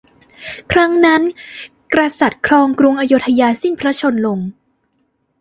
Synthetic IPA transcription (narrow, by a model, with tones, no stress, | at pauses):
kʰɾa˦˥ŋna˦˥n | kɾa˧sa˨˩t̪̚kʰɾɔː˧ŋkɾu˧ŋʔaː˧joː˦˥t̪ʰːa˧jaː˧si˥˩npʰɾa˦˥t͡ɕʰo˧nlo˧ŋ